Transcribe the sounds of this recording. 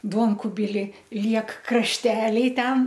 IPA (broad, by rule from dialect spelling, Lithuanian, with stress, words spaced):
ˈduɔŋkʊbʲɪlʲɪ ˈlʲiɛk krɐʃʲˈtʲæːlʲɛɪ ˈtʲɛn